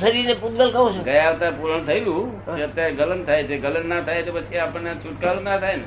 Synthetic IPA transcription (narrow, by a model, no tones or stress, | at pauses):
səɾinepud̪ɡəlkəʋõt͡ʃʰeɡəjaʋt̪apuɾəɳ̃t̪ʰəilũeət̪jaɾeɡələnt̪ʰajet͡ʃʰeɡələnnat̪ʰaet̪opət͡ʃʰiapəɳnet͡ʃʰuʈkalũnat̪ʰajne